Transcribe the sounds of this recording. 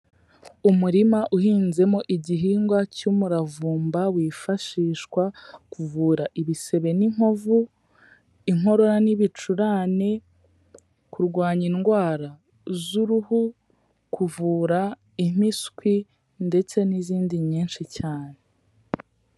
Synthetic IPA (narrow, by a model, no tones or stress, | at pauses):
umuɾimaʔuhiːnze̞mo̞ʔiɟiɦiːŋɡwacumuɾavuːmbawiːfaʃiːʃkwakuvuːɾaʔiβise̞βe̞niŋ̥ovu | iŋo̞ɾo̞ɾaniβit͡ʃuɾaːne | kuɾɡwaːɲinɡwaːɾa | zuɾuhu | kʰuvuːɾa | im̥iskwi | nde̞t͡se̞niziːndiɲiːnʃicaːne̞